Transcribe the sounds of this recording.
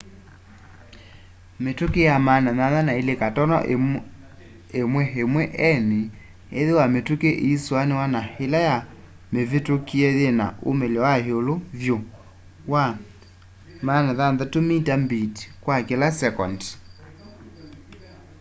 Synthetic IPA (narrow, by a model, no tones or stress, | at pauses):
metukejamanaðanðanaelekatɔnɔ̰ʔ | emwɛɦemwɛʔɛne | eðewametukeʔeiswanewanahelaja | mevetokiɛðena̰ʔo̰melɔwaheolovjo | wa | manaðanðatomitambitkwakelasɛkɔnd